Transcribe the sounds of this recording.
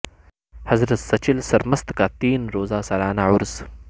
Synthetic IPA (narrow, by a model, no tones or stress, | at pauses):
hɐzɾɐt̪sɐt͡ʃilsɐɾmɐst̪kaːt̪iːnɾoːzaːsalaːnaʕʊɾz̥